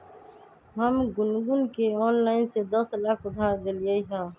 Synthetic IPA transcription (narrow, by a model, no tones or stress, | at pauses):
ɦəmɡʊnɡʊnkeɔːnlaːɪnsed̪əslaːkʰʊd̪ʱaːɾd̪eliəiɦãː